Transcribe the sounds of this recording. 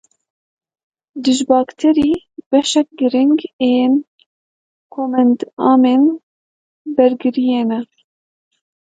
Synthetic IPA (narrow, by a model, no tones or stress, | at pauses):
d̪ɨʒbɑːkt̪ʰɛɾiː | bɛʃɛk̚ɡɨɾɪŋɡen | kʰoːmɛnd̪ɑːmeːn | bɛɾɡɨɾijeːnɛ